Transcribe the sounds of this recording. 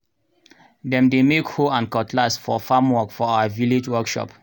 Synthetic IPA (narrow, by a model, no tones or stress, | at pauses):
dɛ̃mdemekhoãnkɔtʰlasfɔfamwɔkfɔaʊaviled͡ʒwɔkʃɔ̰p